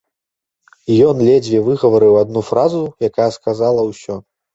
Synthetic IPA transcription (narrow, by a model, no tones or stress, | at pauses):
jɔnlʲɛd͡zʲvʲɛvɨɣɐvɐɾɨwad̪̚nufɾazujakajɛɐskazalˠɐwsʲɔ